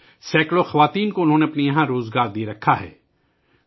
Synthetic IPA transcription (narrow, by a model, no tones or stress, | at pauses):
sɛːkloxɐʋaːt̪iːnkoʊnɦõːneɐpnijɐɦãɾoːzɡaːɾd̪iɾɐkʰːaɦɛ̰ː